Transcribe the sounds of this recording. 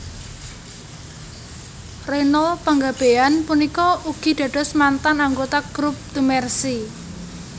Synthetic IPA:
renɔlpəŋɡab̥e̤anpunikɔuɡ̥i̤d̪̥ä̤ɖ̥ɔ̤smant̪anaŋɡot̪aɡ̥ɾup̚t̪umɛrsi

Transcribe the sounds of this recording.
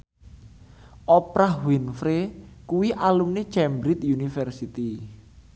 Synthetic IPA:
ʔɔpɾahwinfɾekuwiʔalumni̥t͡ʃɛmbɾit̪junifɛrsit̪i

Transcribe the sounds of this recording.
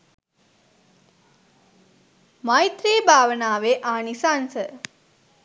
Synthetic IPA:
majt̪ɾeːbʱaːʋənaːʋeʔaːnisansə

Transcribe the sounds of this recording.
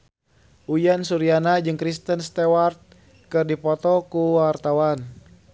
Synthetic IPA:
ʔujansuɾianad͡ʒɨŋkɾist̪ənst̪ɛwart̪̚ | kɨrdipɔt̪ɔkuwart̪awan

